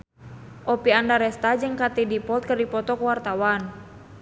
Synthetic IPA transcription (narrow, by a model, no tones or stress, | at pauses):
ʔɔpiandaɾɛst̪ad͡ʒɨŋkat̪idipɔt̪̚kərdipɔt̪ɔkəwart̪awan